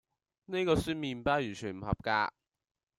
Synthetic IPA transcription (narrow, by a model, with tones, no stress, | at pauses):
ne˥jkɔː˧syː˥nmiː˨˧npaː˥jy˨˩t͡ʃʰyː˨˩nm̩˨˩hɐ̰˨p̚ka̰ː˧